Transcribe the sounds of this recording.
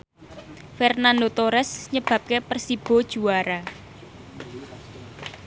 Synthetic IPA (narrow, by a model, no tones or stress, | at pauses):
fɛrnand̪ot̪oɾɛsɲəb̥ä̤p̚kepərsib̥ɔ̤d̥ʒ̥ṳwaɾa